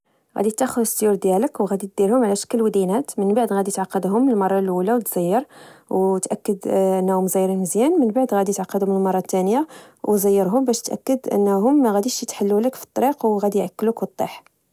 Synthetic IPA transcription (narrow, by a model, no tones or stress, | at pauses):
ɣæ̰d̪it̪ːæxʊd̪əsjuɾd̪jæləkwɣæd̪it̪̚d̪iɾhʊmʕlæʃə̥kːəlwæd̪inæt̪mənbaʕd̪ɣæd̪ijt̪ʕɑqːɑd̪ɦʊmːnəlmɑrˤːɑlʔulæwt̪z̥əjːəɾwt̪ʔækːəd̪ʔənːæhʊmzijɾinzjænmənbaʕd̪ɣæd̪ijət̪ʕɑqːɑd̪ʊmnəlmɑrˤːɑt̪ːænjawzæjːəɾɦʊmbæʃt̪ʔæ̰kːəd̪ʔə̰nːɦʊmːæɣæd̪iʃjət̪ħalːuləkfi̥t̪ˤːɑɾiqwɣæd̪ijʕakːlukbət̪ˤːḭħ